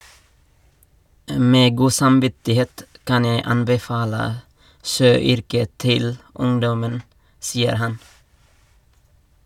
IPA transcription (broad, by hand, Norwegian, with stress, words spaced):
ˈmeː ˈɡuː sɑmˈʋɪtɪˌheːt ˈkɑn ˈjeɪ ˈɑnbɛˌfɑːlə ˈʃøːˌʏɾkə ˈtɪl ˈʊŋdɔmən ˈsiːəɾ ˈhɑn